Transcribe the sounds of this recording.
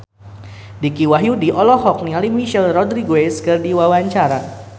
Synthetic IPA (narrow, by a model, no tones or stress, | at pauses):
dikiwaɦjudiʔɔlɔhɔk̚nialimiʃɛlrɔdɾiɡoweskɨrdiwawaɲt͡ʃaɾa